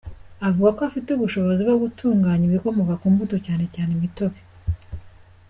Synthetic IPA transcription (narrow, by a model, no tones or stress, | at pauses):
avuɡakoafituβuʃo̞βo̞zibɡoɡutʰuːŋɡaːɲiβiko̞mo̞kakuːmbutocaːne̞caːnemito̞βe